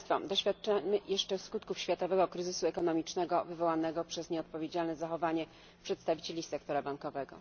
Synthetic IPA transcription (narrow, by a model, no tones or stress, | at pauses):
t̪fɔ̰d̪ɔɕfʲjat̪̚ːt͡ʂamɘjɛʂt͡ʂɛfskut̪̚kufɕfʲjat̪ɔvɛɡɔkɾɘzɘsuɛkɔnɔmʲit͡ʂnɛɡɔvɘvɔwanɛɡɔpʂɛsɲɛɔt̪pɔvʲjed͡ʑalnɛzaxɔvaɲɛ | pʂɛt̪st̪avʲit͡ɕelʲisɛk̚t̪ɔɾabaŋkɔvɛɡɔ̰